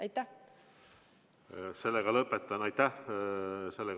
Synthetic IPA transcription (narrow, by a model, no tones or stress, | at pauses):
ɑjt̪ːæ | se̞lːeɡɑlɤpːet̪ːˑɑnɑjt̪ːæh | selːeɡ